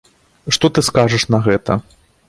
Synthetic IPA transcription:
ʂt̪ɔt̪ɨskaʐɐʂnɐɣɛt̪ɐ̰

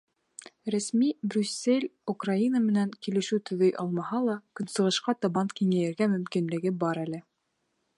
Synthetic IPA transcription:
ɾæsmibɾʲʉsʲːelʲukrainəmɘ̆næŋkilɘ̆ʃʉwt̪ɵ̆ðɵjʔɑ̰lˠmɑhɑlˠɑkɵ̆nsɤ̆ʁɤ̆ʃqɑt̪ɑβɑnt̪kiŋæjɘ̆ɾɡæmɵ̆mkinlɘ̆ɡɘbɑɾælɘ

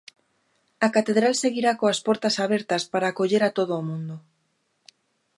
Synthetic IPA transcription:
akat̪eðɾalseɣiɾakoaspɔɾt̪asaβɛɾt̪ɐspaɾaːkoʎeɾat̪oðoːmũnd̪ʊ

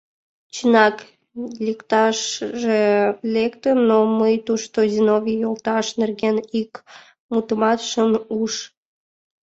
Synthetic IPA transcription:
t͡ɕənɑk | lʲekt̪ɑʃʒelekt̪ənːoməjt̪uʃt̪ozinovʲijolt̪ɑʃnerɣenik | mut̪əmɑt̪ʃənuʃ

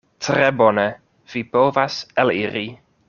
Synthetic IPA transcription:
tʰrɛbɔnə | v̥iboːvasɛliɾi

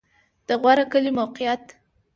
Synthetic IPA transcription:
d̪̥əɣwaɾakəlimawqɪjat̪

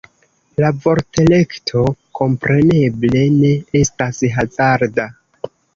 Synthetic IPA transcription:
lavo̞ɾte̞le̞ktʰo̞ko̞mpɾe̞ne̞ble̞ne̞e̞stasɦazaɾda

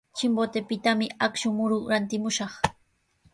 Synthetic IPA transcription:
t͡ʃɪmbot̪epɪt̪amɪakʃʊmʊɾʊɾant̪ɪmʊʃɑχ

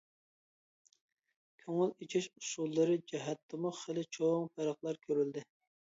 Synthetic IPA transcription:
kʲʰøŋɪlit͡ʃʰiʃu̥sulˠːɨɾɨd͡ʒɛɦɛt̪ʰːɨmʊχelɪt͡ʃʰoŋpɛɾɑχlˠɑɾkʲʰøɾyld̪ɪ

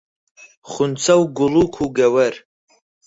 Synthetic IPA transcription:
χʊnt͡sʰɐwɡʊlukʷʰuɡɐwɐr

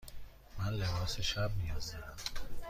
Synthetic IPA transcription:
mænlebɒːseʃæb̚mijɒːzd̪æɾæm

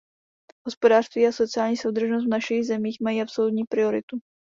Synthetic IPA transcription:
ɦospodaːr̥st̪viːaso̞t͡sɪaːlɲiːso̞wd̪r̩ʒnos̬t̪vnaʃiɣzɛmiːxmajiːʔapsolut̪ɲiːpɾɪo̞ɾɪ̰t̪u

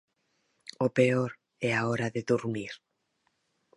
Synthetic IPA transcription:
opeoɾ | ɛaoɾaðeðuɾmiɾ

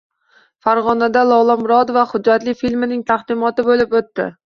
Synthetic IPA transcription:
faɾʁɒnad̪alˠɒwlˠɒmɾɒt̪vaχʊd͡ʒːat̪lɪfilmɪnɪŋt̪ʰaχd̪ɪmɒt̪ɪbolɪpot̪ːɪ̰

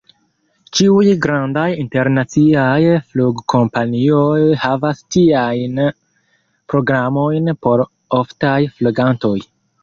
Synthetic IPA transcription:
t͡ʃiujɡɾandajinte̞ɾnat͡siajfluɡkʰo̞mpaniojhavastiajn | pɾo̞ɡɾamo̞jnpo̞ɾ | oftajfluɡanto̞j

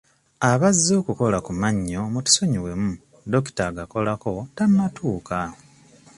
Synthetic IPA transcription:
aβazːo̞ːkuko̞lakumaɲːo̞muti̥so̞ɲiwe̞mu | do̞ki̥taɡako̞lako̞tanatʰuːka

